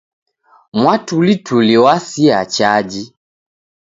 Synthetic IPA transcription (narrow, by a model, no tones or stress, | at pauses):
mwatulitʰuliwasiat͡ʃad͡ʒi